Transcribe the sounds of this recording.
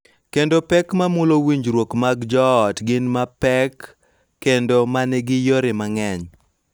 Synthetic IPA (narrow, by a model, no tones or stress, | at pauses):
kendopɛkmamʊlowiɲd͡ʒɾwokmaɡd͡ʒɔtɡɪnmapɛkː | endomanɛɡɪjoɾɪmaŋɛɲ